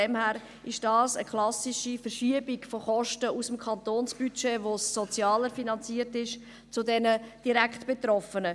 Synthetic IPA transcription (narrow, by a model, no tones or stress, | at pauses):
ɛmhæːɾ | ʔɪʃd̥ɑːsəkʰlɑsiʃifəɾʃiəbiɡfoχɔʃtəʔusəmkʰɑntoːnsb̥yt͡ʃeːʋosːɔt͡sjɑːləɾfinɑnt͡siːəɾtɪʃ | t͡sudɛnəd̥iɾæktb̥et̪ɾɔfənə